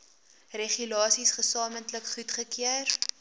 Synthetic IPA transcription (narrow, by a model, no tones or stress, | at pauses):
reχylɑːsisχəsɑːməntləkχutχəkiər